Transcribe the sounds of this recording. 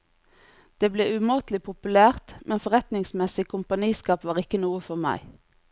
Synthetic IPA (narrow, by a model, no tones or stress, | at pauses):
d̪̥eːbleːʔʉmoːt̪lɪpʰʊpʉlæːʁt̪mʔɛnfɔʁɛt̪nɪŋsmɛsɪkʰʊmpɑniːskɑːpʋɑːʁɪkənuːəfɔʁmæ̰ɪ